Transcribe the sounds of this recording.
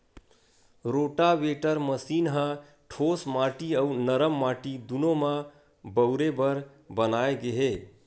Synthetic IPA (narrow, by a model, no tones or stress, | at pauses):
ɾoʈaʋeʈəɾməsinɦə̃ | ʈʰosmaʈiəunəɾəmːaʈid̪unoma | bəʊɾebəɾ | bənaeɡeɦe